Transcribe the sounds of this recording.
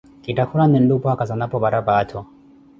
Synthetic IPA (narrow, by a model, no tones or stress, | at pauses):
kitakuɾanɛndupɔakazanapɔbaɾabatʰɔ